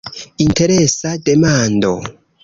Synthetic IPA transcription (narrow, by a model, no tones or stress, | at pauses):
inte̞ɾesade̞mando̞̰